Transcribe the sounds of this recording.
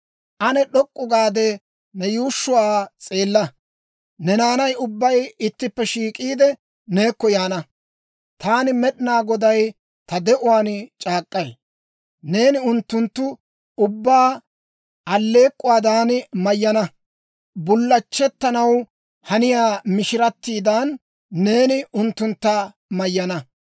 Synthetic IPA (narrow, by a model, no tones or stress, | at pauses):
ʔɐnɛɗɔkʼːʊɡaːd̪ɛ | nɛjuːʃːʊwaːt͡sʼe̞ːlːɐ | nɛnaːnɐjʊbːɐjɪt̪ːɪpːɛʃiːkʼiːd̪ɛ | ne̞ːkːɔjaːnɐ | t̪aːnɪmɛɗɪnaːɡɔd̪ɐj | t̪ɐd̪ɛʔʊwaːnt͡ʃʼaːkʼːɐj | ne̞ːnɪʊnt̪ːʊnt̪ːʊ | ʊbːaː | ɐlːe̞ːkʼːʊwaːd̪aːnmɐjːɐnɐ | bʊlːɐt͡ʃːɛt̪ːɐnɐw | hɐnɪjaːmɪʃɪɾɐt̪ːiːd̪aːnː | e̞ːnɪʊnt̪ːʊnt̪ːɐ | mɐjːɐnɐ